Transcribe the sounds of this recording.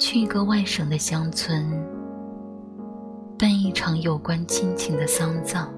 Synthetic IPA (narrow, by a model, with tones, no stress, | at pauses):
t͡ɕʰy˥˩i˧˥ɡə˥˧wa˥˩ɪʂɤ˨˩ŋd̪ə˦ɕjɑ˥ŋt͡sʰwə˧˥n | pa˥˧ni˥˩ʈ͡ʂʰɑ˧˥ŋjo˨˩ʊkwa˥nt͡ɕʰi˥nt͡ɕʰi˧˥ŋd̪ə˧sɑ˥ŋt͡sɑ˥˩ŋ